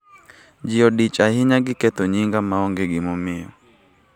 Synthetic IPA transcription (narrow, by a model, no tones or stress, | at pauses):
d͡ʒɪɔdit͡ʃahɪɲaɡɪkɛt̪oɲiŋɡamaɔŋɡeɡɪmɔmɪɔ̰